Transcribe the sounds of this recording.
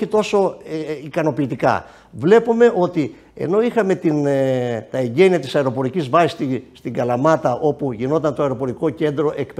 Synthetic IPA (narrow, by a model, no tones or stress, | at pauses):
it̪o̞so̞ikɐno̞piːt̪ikɐ̰ | vle̞pume̞ʔo̞t̪i | e̞̰no̞ixɐme̞t̪int̪ɐe̞ɲɟe̞niɐt̪i̥sɐeɾo̞po̞ɾicizvɐsist̪ist̪iŋɡɐlɐmɐt̪ɐʔo̞puʝino̞t̪ɐnt̪oɐeɾo̞po̞ɾiko̞ce̞nd̪ɾo̞ʔe̞kp